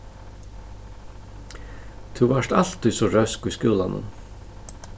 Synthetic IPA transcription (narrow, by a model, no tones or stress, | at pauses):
t̪ʰuvaʂt̪al̥t̪ʏsɔɾœskujskɪːlanʊ̰n